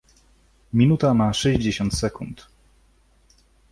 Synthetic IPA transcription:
mʲinut̪amaʂɛʑd͡ʑeɕɔnt̪sɛkunt̪

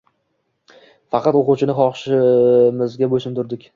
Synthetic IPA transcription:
fɑqʰɑt̪oqʊwt͡ʃʰɪnɪχɒχʃɪmɪzɡʲaboʃɪmt̪ʰʊɾd̪ɪkʲ

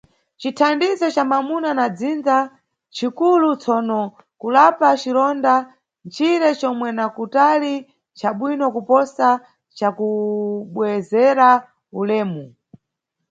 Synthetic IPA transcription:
t͡ʃitʰandizɔt͡ʃamamunanad͡zind͡za | t͡ʃikulut͡sʰɔnɔ | kulapat͡ʃiɾɔnda | nt͡ʃʰiɾɛt͡ʃɔmwɛnakutali | t͡ʃaɓwinɔkupɔsa | t͡ʃakuɓwɛzɛɾa | ulɛːmu

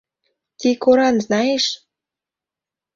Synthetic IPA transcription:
t̪ikoɾɑnznɑjeʃ

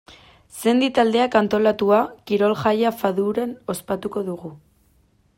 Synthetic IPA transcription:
se̞nd̪it̪ald̪e̞akant̪o̞lat̪uakiɾo̞lʝajafaðuɾano̞spat̪uko̞ðuɣu

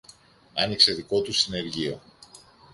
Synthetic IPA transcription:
ɐnikse̞ðiko̞t̪ust̪ine̞ɾʝio̞

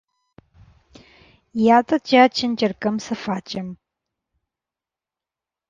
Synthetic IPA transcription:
jaːtʼɐt͡ʃaːt͡ʃʰɪnd͡ʒʼɐrkʼɐmsɨfaːt͡ʃʼɐm

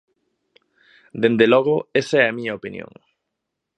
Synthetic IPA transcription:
d̪end̪elɔɣʊesɐɛamiɲɐopinj̰õ̰ŋ

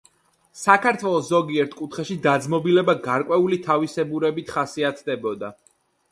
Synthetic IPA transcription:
sakʰaɾt̪ʰwɛlˠɔszɔɡiɛɾt̪ʰkʼut̪ʰχɛʃid̪ad̪zmɔbilɛbaɡaɾkʼwɛulit̪ʰavisɛbuɾɛbit̪ʰχasiat̪ʰd̪ɛbɔd̪a

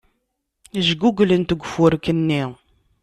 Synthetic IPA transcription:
əʒɡuɡlənt̪əɡʷfʊɾkənːi

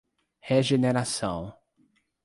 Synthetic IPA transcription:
heʒeneɾasɐ̃w̃

